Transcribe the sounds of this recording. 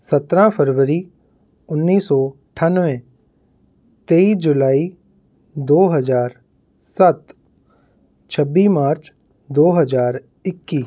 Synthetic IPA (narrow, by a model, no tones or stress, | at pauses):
sɐt̪ɾãpʰəɾʋəɾi | ʊnːiːsɔɪʈʰənʋẽ | t̪eːid͡ʒʊlaːi | d̪oːɦɐzaːɾ | sət̪ | t͡ʃʰəbːimaːɾt͡ʃ | d̪oːɦəd͡ʒaːɾ | ɪkːiː